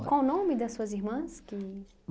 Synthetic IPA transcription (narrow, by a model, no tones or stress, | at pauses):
kõʊnõmɪd̪ɐsuɐzimɐ̃ski